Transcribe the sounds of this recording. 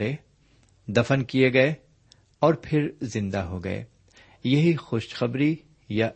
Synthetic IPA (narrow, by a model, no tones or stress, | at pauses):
e | d̪ɐfənkijeɡɐe | ɔːɾpʰɪɾzɪ̃nd̪aɦoɡɐ̰ḛː | jɐɦixoːʃxɐbɾi | ja